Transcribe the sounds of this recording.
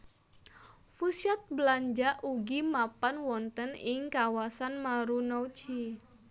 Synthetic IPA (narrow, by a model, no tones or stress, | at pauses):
fusiat̪̚bəlaɲd͡ʒaʔuɡimapanwɔnt̪ənɪŋkawasanmaɾunɔwt͡ʃi